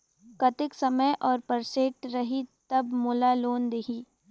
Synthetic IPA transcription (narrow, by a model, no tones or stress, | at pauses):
kɐt̪ɪksɐməjʔɔːɾpɐɾseːʈɾɐɦit̪ɐbmʊːlaloːnd̪eɦiː